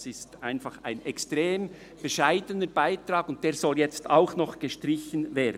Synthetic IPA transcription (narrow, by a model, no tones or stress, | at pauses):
sɪstaɪnfɑχa̰ɪnʔɛkstɾeːm | b̥əʃaɪdənəɾb̥aɪtɾɑːɡʊnt̚d̥eːɾzɔljɛt͡sta̰ʊxnɔχɡ̥əʃtɾɪçənveːd